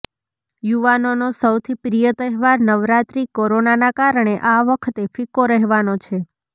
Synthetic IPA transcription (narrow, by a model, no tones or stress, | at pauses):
juʋanonosəwt̪ʰipɾijət̪əɦʋaɾnəʋɾat̪ɾikoɾonanakaɾəɳ̃eʔaʋəkʰət̪efikoɾəɦʋanot͡ʃʰe